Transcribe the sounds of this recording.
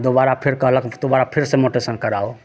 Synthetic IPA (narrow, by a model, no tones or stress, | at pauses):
d̪obaːɾapʰɪɾkəɦləkd̪obaːɾapʰɪɾsemoʈesənkəɾaːo